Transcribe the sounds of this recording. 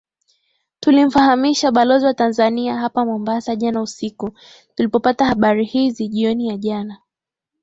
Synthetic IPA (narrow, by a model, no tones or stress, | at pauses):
tulim̩fahamiʃaɓalɔziwatanzaniaɦapamɔmbasaʄanausiku | tulipɔpatahaɓaɾihiziʄiɔnijaʄana